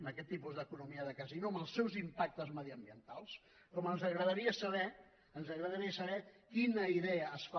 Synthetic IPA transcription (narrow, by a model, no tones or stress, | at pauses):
məkɛt̪ːipuzðəkunumiəðəkəzinoəməlˠsːɛwzimpak̚t̪əzməðiəmbiənt̪alˠs | kɔmənzəɣɾəðəɾiəsəβɛ | ənzəɣɾəðəɾiəsəβɛkinəiðɛəːsfa